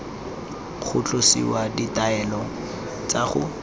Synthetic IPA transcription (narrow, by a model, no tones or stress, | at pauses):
χʰʊt͡ɬʼosḭwaditaɛlɔ | t͡saχʊ̰